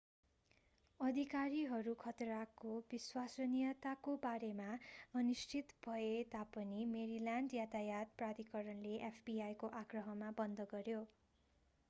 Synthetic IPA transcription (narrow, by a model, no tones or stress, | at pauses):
ʌd̪ʱikaɾiɦʌɾukʰʌt̪rakobiswasʌnijʌt̪akobaɾemaʌnisʈʰit̪bʱʌet̪apʌnimeɾilaɳɖjat̪ajat̪̚prad̪ikʌɾʌnleʔepʰb̥iajkoʔaɡrʌɦʌmabʌnd̪ʱʌɡʌɾjo